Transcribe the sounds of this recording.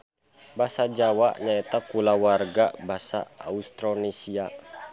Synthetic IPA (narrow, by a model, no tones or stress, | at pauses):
basad͡ʒawaʔɲaɛt̪akulawarɡabasa̰a̰ust̪ɾonesia